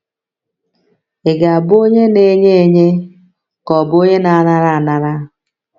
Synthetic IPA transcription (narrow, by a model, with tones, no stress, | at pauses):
ɪ˨ɡa˨a˨bo˦ɲe˦ne˨˦ɲe˦e˨ɲe˦ | kɔ˨bʊ˦o˦ɲe˦na˨a˦na˦ɾa˦a˨na˨ɾa˦